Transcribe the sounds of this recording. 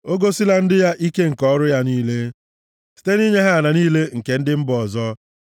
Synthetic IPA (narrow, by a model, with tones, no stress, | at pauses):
o˦ɡo˦si˦la˦n̩˦dɪ˦ja˦ʔi˦ke˦ŋ̩˨kɔ˦ɾʊ˦ja˦niː˦le˦ | si̥˨te˦ni˦ɲe˦ɦe˦a˨na˨niː˦le˦ŋ̩˨ke˦n̩˦dɪ˦m̩˦bʊ˨ɔ˨zɔ˦